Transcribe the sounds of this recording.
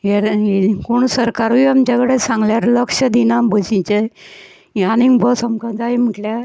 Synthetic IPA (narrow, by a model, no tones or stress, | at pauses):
jəɾikoɳsəɾkaɾʋiamt͡ɕakəɽesãŋɡljaɾləkʂəd̪inambʱəsĩt͡ɕə | janĩŋɡbɔsamkad͡zajm̤əʈlja